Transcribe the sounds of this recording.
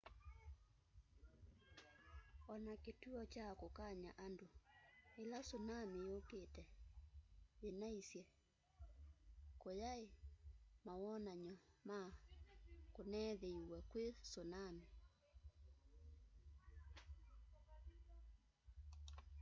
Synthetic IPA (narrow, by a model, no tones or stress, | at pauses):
ɔnaketuɔt͡ʃakokaɲaʔandoelasonamejoketɛ | enaisjɛ | kojaemawɔnaɲɔma | konɛːðeiwɛkwesonami